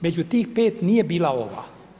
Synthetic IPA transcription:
med͡ʒʲut̪iːxpeːt̪niebilaoʋɑ̰

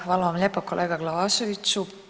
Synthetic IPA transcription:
vɑlɑmlʲepːokːolʔeːɡɑɡlɑvɑsovit̪su

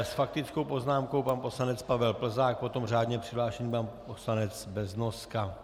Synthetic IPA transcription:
sfak̚t̪ɪt͡skowpo̞znaːmko̞wpanpo̞slanɛt͡spavɛlpl̩zaːk̚po̞t̪o̞mraːd̪ɲɛpr̥ɪɦlaːʃɛɲipanposlanɛt͡sbɛznoska

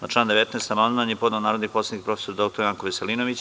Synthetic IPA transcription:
naʈ͡ʂlaːnd̪eet̪neːst̪amand̪manjepo̞d̪neonaːɾod̪nik̚po̞sed̪ikpɾo̞fesod̪o̞kt̪oɾjaːŋkoʋeseliːnoʋit͡ɕ

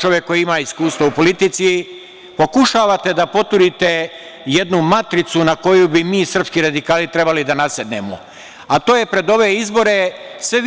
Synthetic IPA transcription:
t͡ʃo̞ʋjekːo̞jiimaːiskuːst̪ʋoupo̞lit̪it̪si | po̞kuʃaːʋat̪e̞d̪apo̞t̪uɾit̪e̞ | je̞d̪numat̪ɾit̪sunako̞jubimiːsr̩pskiɾad̪ikaːlit̪ɾe̞balid̪anased̪nḛmo̰ | at̪o̞ːje̞pɾe̞d̪o̞ʋeizbo̞ɾe̞sʋe

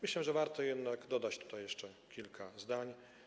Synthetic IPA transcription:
mɘɕlɛʐɛvaɾt̪ɔjɛd̪naɡd̪ɔd̪at͡ɕt̪u̥t̪ajɛʂt͡ʂɛkʲilkʰazd̪aɲ

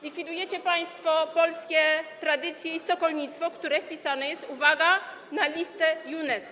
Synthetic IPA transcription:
lʲikfʲid̪ujɛt͡ɕɛpaj̃st̪fɔpɔlskʲɛt̪ɾad̪ɘt̪sʲjɛisɔkɔlɲit̪st̪fɔkt̪uɾɛfpʲisanɛjɛst̪uvaɡa | nalʲist̪ɛjunɛs

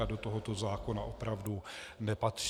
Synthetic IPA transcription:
adot̪o̞ɦo̞t̪o̞zaːko̞naʔo̞pɾavdunɛpat̪r̥

